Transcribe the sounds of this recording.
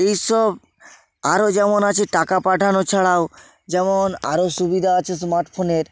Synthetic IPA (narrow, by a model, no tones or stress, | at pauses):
ejʃɔb | aɾod͡ʑɛmonat͡ɕʰeʈakapaʈʰanot͡ɕʰaɽao | d͡ʑɛmona̰ɾoʃubid̪ʱaat͡ɕʰesmaɾʈfʰoneɾ